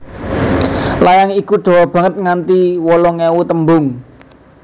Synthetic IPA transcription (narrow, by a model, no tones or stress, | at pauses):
lajaŋikuɖ̪̥o̤wɔb̥ä̤ŋət̪̚ŋant̪iwɔlɔŋɛwut̪əmbʊŋ